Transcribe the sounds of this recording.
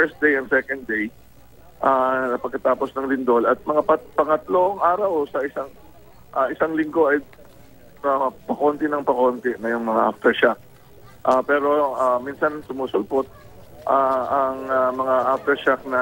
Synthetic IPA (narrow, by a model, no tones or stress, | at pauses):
fɛɹst̪̚d̪ejɐnd̪sɛkɐnd̪̚d̪ej | ʔaɐpɐɡ̚kɐt̪aːpo̞snɐŋlɪnd̪o̞lɐt̪̚mɐŋapɐpɐŋɐt̪loʔŋʔaːɾɐwsɐʔɪsaŋ | ʔaʔɪsaŋlɪŋɡo̞ʔɐj | apɐko̞nt̪ɛnɐŋpɐko̞ːnt̪ɛnɐjʊŋmɐŋaʔaft̪ɛɹʃak̚ | ʔapɛːɾo̞ʔamiːnsɐnsʊmusʊlpot̪̚ | ʔaɐŋamɐŋaʔaft̪ɛɹʃak̚nɐ